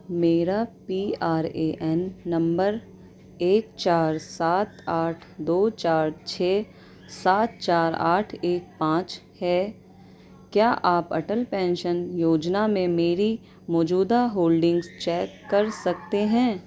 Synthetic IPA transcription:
meːɾapiaːɾeːʔɛnːɐ̃mbəɾ | eːk̚t͡ʃaːɾsaːt̪aːʈʰd̪oːt͡ʃaːɾt͡ʃʰɛː | saːt̪̚t͡ʃaːɾa̰ːʈʰeːk̚pãːt͡ʃ | hɛː | kjaːʔaːpɐ̰ʈəlpɛ̃ːnʃənjoːd͡ʒnamẽmeːɾi | mɔːd͡ʒuːd̪aɦoːlɖɪ̃ŋɡzt͡ʃɛːkːɐɾsɐkt̪eɦɛ̃ː

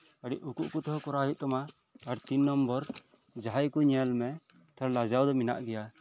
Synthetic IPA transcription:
aɽiʔukṵʔkut̪ɔɦɔkɔɾaɦit̪̚t̪ɔmaː | ɾt̪inːɔmbɔɾ | d͡ʒaɦajkuɲalmɛ | t̪ʰɔɾlad͡ʒawd̪ɔmina̰ʔɡɛja

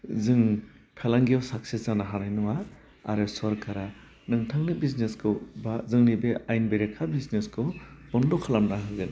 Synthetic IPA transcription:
zɯŋpʰelaŋɡijawsak̚sezanaɦanajnɔwa | a̰ɾɯsɔɾkʰaɾa | nɯŋtʰaŋnɯbizneskʰɯwbazɯŋnibeajnbeɾekʰabizneskʰɯwb̥ɔndɔkʰalamnaɦɯɡɯn

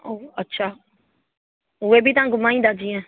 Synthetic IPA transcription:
oːətːʃʰaː | ʊeːbiːt̪ãːɡʊmaːĩːd̪aːd͡ʒiːɛ̃ː

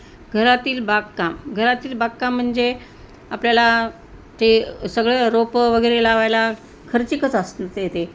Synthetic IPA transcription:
ɡʱəɾat̪iːlbakkamɡʱəɾat̪iːlbakkam̤ːəɳd͡ze | apljala | t̪esəɡɭeɾopʋəɡəjɾelaʋajla | kʰəɾt͡ɕikət͡səst̪jet̪e

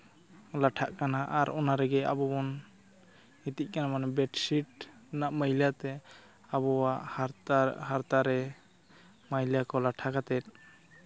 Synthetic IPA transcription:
laʈʰaʔkanaʔaɾʔɔnaɾɛɡɛabɔbɔn | it̪ic̚kanamanɛbɛʈsiʈnaʔməjljat̪ɛ | abɔwaʔhɦaɾt̪aɾɛ | məjljakɔlaʈʰakat̪ɛt̪̚ˀ

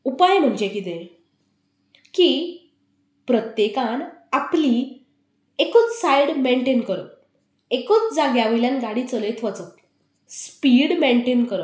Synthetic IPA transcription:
upajm̤əɳd͡ʑekit̪̬ẽ | ki | pɾət̪jekãnapli | ekot͡ssajɽmeɳʈenkəɾə | ekot͡sd͡zaɡjaʋiljanɡaɽit͡səlet̪ʰʋət͡sət̪ | spiɽmeɳʈenkəɾə

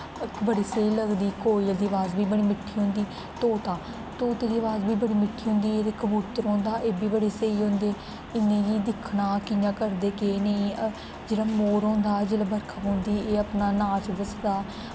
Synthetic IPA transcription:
kbəɽiːseiːləɡd̪iːkoːild̪iːəʋaːzbiːbəɽiːmɪʈʰːiːɦõːnd̪iː | t̪oːt̪ãː | t̪oːt̪eːd̪iːəʋaːzbiːbəɽiːmɪʈʰːiːɦʊ̃ːnd̪iːeːd̪ekəbuːt̪əɾɔ̃ːnd̪aːʔeːbiːbəɽeːseiːɦõːnd̪eː | ɪnːẽːd͡ʒiːd̪ɪkʰnaːkɪjãːkəɾd̪eːkeːnəĩː | d͡ʒeːɽaːmoːɾõːnd̪aːd͡ʒeːɽaːbəɾkʰaːpõːnd̪iːeːəpnaːnaːt͡ʃd̪əsd̪aː

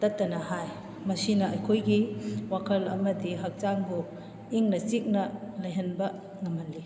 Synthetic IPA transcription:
tɐtːɐnɐhaj | mɐsinɐɐjkʰojɡiwakʰɐlɐ̰mɐdiɦɐk̚t͡ʃaŋbu | iŋnɐt͡ʃik̚nɐlɐjɦɐnbɐ | ŋɐmɐlːi

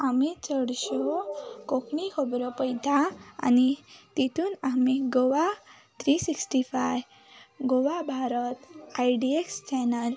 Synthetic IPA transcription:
amit͡səɽɕokoknikʰəbɾɔpəjt̪aa̰nit̪it̪ʰuːnamiɡoʋa | t̪ʰɾisiksʈifaj | ɡoʋabʱaɾət̪ajɖiekst͡ɕɛnəl

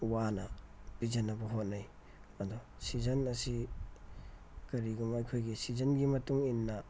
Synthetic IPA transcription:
wanɐbid͡ʒɐnɐbɐɦot̚nɐj | ɐdɔ | sizɐnɐsi | kɐɾiɡumɐjkʰojɡisizɐnɡimɐtuŋinːɐ

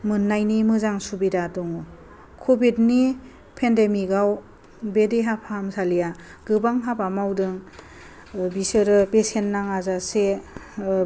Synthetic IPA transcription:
mɯnːajnimɯzaŋsubidatɔŋɔ | kʰobid̚ni | pʰendemiɡaw | bedeɦapʰaamsalija | ɡ̥ɯbaŋɦapamawdɯŋ | bisɯɾɯpesenːaŋazase

